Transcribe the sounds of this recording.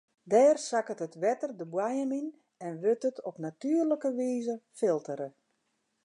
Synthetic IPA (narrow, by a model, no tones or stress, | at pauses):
dɛːrsakətətʋɛtərdəbwajəmin | ɛnʋøtətʰɔpnatyːərləkəʋiːzəfɪlˠtəɾə